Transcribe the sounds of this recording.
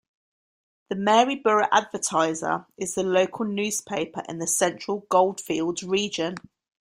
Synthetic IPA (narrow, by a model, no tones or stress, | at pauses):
ðəmɛːɹibəɹəʔadvətʰaɪzə̰ɹʔɪzðələʊkʰəlˠnʲjʉːz̥pʰeɪpʰəɹʔɪ̰̃nðəsɛ̃nt͡ʃɹ̥əlˠɡɒʊlˠd̥fiːlˠdzɹiːd͡ʒə̃n